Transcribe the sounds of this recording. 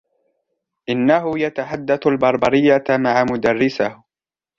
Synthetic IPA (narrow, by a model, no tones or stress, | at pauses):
ʔɪnːaɦʊjat̪aħad̪ːaθalbɑɾˤbɑɾɪjːamaʕamʊd̪arːɪsah